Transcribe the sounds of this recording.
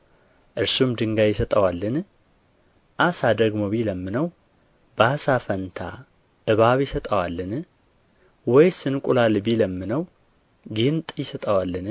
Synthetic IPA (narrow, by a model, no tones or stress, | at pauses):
ʔɨɾsumd̪ɨŋɡajɪsət̪ʼəwalːɨn | ʔasad̪əɡmoβiləmːɨnəw | basafənt̪ʰa̰ | ʔɨβaβjɪsət̪ʼəwalːɨn | wɔjsɨnkʼulalɨbiləmːɨnəw | ɡɨnt̪ʼjɪsət̪ʼəwalːɨn